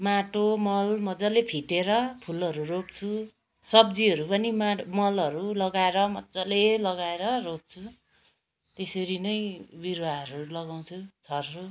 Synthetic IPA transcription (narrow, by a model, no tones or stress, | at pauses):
maʈomʌlmʌd͡zʌlepʰiʈeɾʌpʰulʌɾurop̚t͡sʰu | sʌbd͡ziʌɾupʌnimamʌlʌɾulʌɡaeɾʌmʌt͡sʌlelʌɡaeɾʌrop̚t͡sʰu | t̪esʌɾinʌjbiɾaɦʌɾulʌɡaw̃t͡sʰut͡sʰʌrʌru